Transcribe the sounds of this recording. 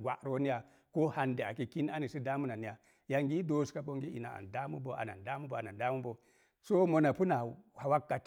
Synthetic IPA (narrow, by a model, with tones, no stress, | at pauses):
ɡʷa̰˨ɾo˦ni˦ja˨ | ko˦ha˨nde˨a˨ki˨ki˦n˦a˦ni˨si˦da˦mu˦na˨ni˦ja˨ | ja˨ŋɡi˦do˦ska˦bo˦ŋɡi˦ʔḭ˨na˨a̰˨da˦mu˦bo˨˦ʔa̰˨na̰˨nda˦mu˦bo˨a˨na˨nda˦mu˦bo˨ | so˦mo˨na˨pu˦na˨ha˨wa˦kːa˨t